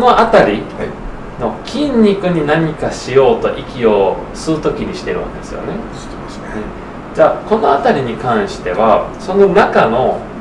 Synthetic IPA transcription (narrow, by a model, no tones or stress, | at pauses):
no̞ʔat̪aɾʲi | no̞kʲĩɲʲːikɯ̟ɲ̟inaɲ̟ikaɕijo̞ːt̪o̞ʔikʲio̞ | sɨɯt̪o̞kʲiɲ̟iɕi̥t̪e̞ɾɯ̟̰̃nd̪esɨjo̞̰ne̞̥ | t̪ | ɯ̃ | d͡ʑaːko̞no̞at̪aɾʲiɲ̟ikãɰ̃ɕi̥t̪e̞βaso̞no̞nakano̞